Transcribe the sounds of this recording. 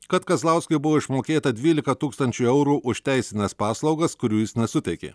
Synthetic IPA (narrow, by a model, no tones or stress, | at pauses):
kɐt̪kɐzlˠɑʊsʲkɐɪbʊʋoːɪʃmoːkʲeːt̪ɐd̪ʲʋʲiːlʲɪkɐt̪uːkst̪ɐnʲt͡ʃʲuɛʊɾuːʔʊʃt̪ʲæˑɪsʲɪnʲɛspɑːslˠɒʊɡɐskʊɾʲuːjɪsnʲɛsʊt̪ʲɛɪkʲḛː